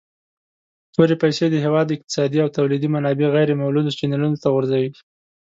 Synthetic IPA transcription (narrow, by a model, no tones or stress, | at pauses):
t̪oɾepajsed̪əɦewɑd̪ɪq̚t̪ɪ̥sɑd̪iawt̪awlid̪imanɑbeɣajɾemawlud̪ot͡ʃinalunot̪aɣʊɾzawi